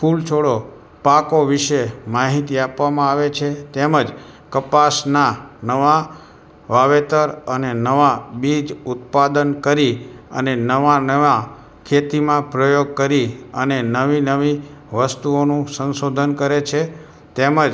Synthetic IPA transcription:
pʰult͡ʃʰoɭo | pakoʋiʃemaɦit̪iapʋamãaʋet͡ʃʰet̪eməd͡ʒ | kəpasnanəʋa | ʋaʋet̪əɾənenəʋabid͡ʒut̪̚pad̪ənkəɾiənenəʋanəʋa | kʰet̪imãpɾəjoɡ̚kəɾiənenəʋinəʋi | ʋəst̪uonũsənsod̪ʱənkəɾet͡ʃʰe | t̪eməd͡ʒ

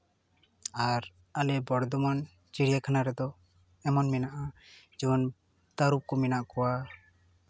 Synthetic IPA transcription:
aɾ | alɛbɔɽd̪ɔmɔn | t͡ʃiɽijakʰanaɾɛd̪ɔ | ɛmɔnmɛnaʔa | d͡ʒuɔn | t̪aɾup̚kɔmɛnaʔkɔwa

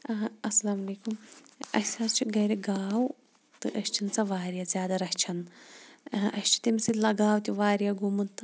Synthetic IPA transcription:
ɐsɐlaːmɐleːkumɐ̰sast͡ʃʰiɡɐɾiɡaːw | t̪ɨʔɐst͡ʃʰint͡sɐʋaːɾijazʲjaːd̪ɐɾɐkt͡ʃʰɐn | ɐst͡ʃʰi̥t̪imsilɐɡaːwt̪ʲiʋaːɾjaɡumunt̪ɨ

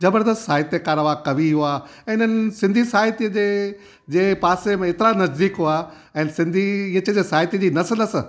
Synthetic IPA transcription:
d͡ʑɐbəɾd̪əst̪saːjɪt̪ekaːɾəʋakɐʋiɦʊãɪnənɪ̆sɪ̃nd̪ʱisaːɦɪt̪iəd͡ʑeː | d͡ʑeːpaːsemẽɪt̪ɪɾanɐzd̪iːkɦʊa | ɛ̃ːnsɪ̃nd̪ʱiət͡ɕd͡ʑeːsaːɦɪt̪id͡ʑiːnɐsəlɐs

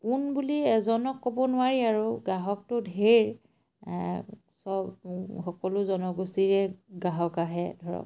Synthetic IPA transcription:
kunbuliɛzɔnɔkːobɔnʊwaɹiaɹuɡaɦɔk̚tʊdʱeɹ | sɔbxɔkɔlʊzɔnɔɡustiɹɛɡaɦɔkaɦɛdʱɔɹɔ̰k

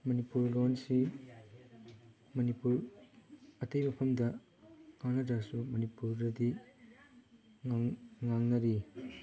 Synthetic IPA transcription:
mɐnipuɾlonsi | mɐnipuɾ | ɐtɐjmɐpʰɐmdɐ | ŋaŋnɐdɐsumɐnipuɾdɐdi | ŋŋaŋnɐɾi

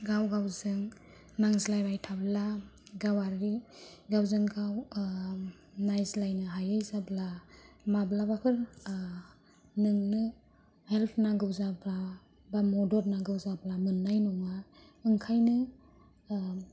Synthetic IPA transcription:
ɡawɡawzɯŋ | naŋzilajbajtʰablaɡawaɾːiɡawzɯŋɡaw | najzlajnɯɦajajzablamablabapʰɯɾ | nɯŋnɯ | helpʰnaɡɯwzabla | bamɔdɔɾnaɡɯwzablamɯnːajnɔŋa | ɯŋkʰajnɯ

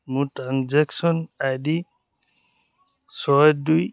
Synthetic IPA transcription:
muʈɾanzeksɔnajdi | sɔduj

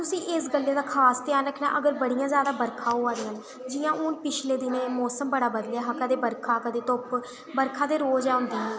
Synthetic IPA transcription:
t̪ʊsĩːʔɪːsɡəlːeːd̪aːkʰaːst̪ɪjaːnɾəkʰna̰ːʔəɡəɾbəɽijãːzjaːd̪aːbəɾkʰãːɦoːaːɾɪjãːn | d͡ʒɪjãːʔʊnpɪt͡ʃʰleːd̪ɪnẽːmɔːsəmbəɽaːbəd̪lɛːɦəkad̪eːbəɾkʰaːkad̪eːt̪ʊp | bəɾkʰãːd̪eːɾoːd͡ʒaːʊ̃nd̪iːɦɛ̃ː

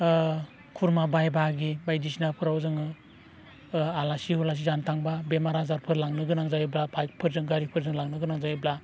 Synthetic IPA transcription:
kʰuɾmabajbaɡibajdisnapʰɯɾawzɯŋɯ | alasihulas̬izantʰaŋbabemaɾazaɾpʰɯɾlaŋnɯɡɯnaŋzajiblapʰajpʰɯɾzɯŋɡaɾipʰɯɾzɯŋlaŋnɯɡɯnaŋzajibla

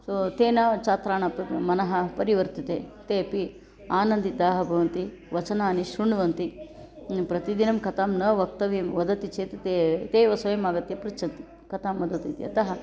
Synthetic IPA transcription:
sot̪eːnat͡ʃaːt̪ɾaːɳɐpmɐnɐɦɐpɐɾiʋɐɾt̪it̪eːt̪eːpi | aːnɐnd̪id̪aːɦɐbʱɐʋɐnt̪i | ʋɐt͡ʃɐnaːniʃɾuɳʋɐnt̪i | pɾɐt̪id̪inɐmkɐt̪aːmnɐʋɐk̚t̪ɐʋimʋɐd̪ɐt̪it͡ʃeːt̪et̪et̪eːʋɐsɐjɐmaːɡɐt̪jɐpɾit͡ʃʰɐnt̪i̥ | kɐt̪aːmːɐd̪ɐt̪ḭt̪iɐ̰t̪ɐɦɐ

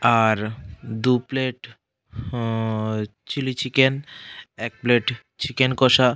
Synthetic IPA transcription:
aɾd̪upleʈ | t͡ɕilit͡ɕikenɛk̚pleʈ | t͡ɕikenkɔʃa

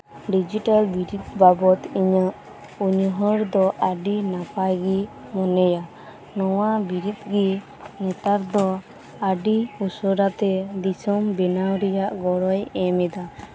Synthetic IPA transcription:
ɖid͡ʒiʈalbiɾit̪̚babɔt̪iɲəʔ | uɲɦɔɾd̪ɔʔaɖinapajɡimɔnɛja | nɔwabiɾit̪̚ɡi | nɛt̪aɾd̪ɔ | aɖiusɔɾat̪ɛd̪isɔmbɛnawɾɛjaʔɡɔɽɔjɛmɛd̪a

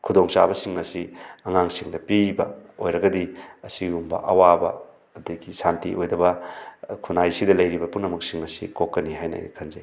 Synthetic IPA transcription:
kʰudoŋsa̰bɐsiŋɐsiɐŋaŋsiŋdɐpibɐ̰ojɾɐɡɐdiɐsiumbɐ̰ʔɐwabɐ̰ː | dɐɡisantiʔojdɐbɐkʰunajsidɐlɐjɾibɐpunɐmuk̚siŋɐsikokkːɐniɦajna̰jɡikʰɐnzɐj

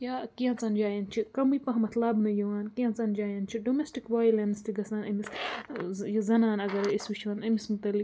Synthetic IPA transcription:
jaːkiɐ̃nt͡sɐnd͡ʒaːjɐnt͡ʃʰikɐmipɐ̃ɦɐmɐt̪ʰlabnɐjɐʋaːnkiɐ̃nt͡sɐnd͡ʒaːjɐnt͡ʃʰiɖomesʈikʋaːjlɐnst̪ʰiɡɐsaːnɐmis | jɐzɐnaːnɐɡɐɾisʋit͡ʃʰʋɐnɐmismut̪ɐlːik

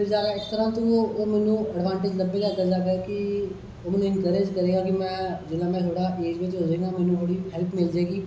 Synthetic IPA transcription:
pʰɪɾzaːɡaɪkt̪əɾãːt̪oʋoomɛ̃ːnũəɖʋãːɳʈɪd͡ʒləbeːk̪aːd̪əɾd͡ʒaːkəki | omːnũɪnkəɾeːd͡ʒkəɾẽːɡaːkimɛ̃ːd͡ʒɪlãːmɛ̃ːt̪ʰoːɽaʔeːd͡ʒʋet͡ʃoːd͡ʒẽːɡaːmɛ̃ːnũoɽiɦɛlpmɪld͡ʒaːeːɡiː

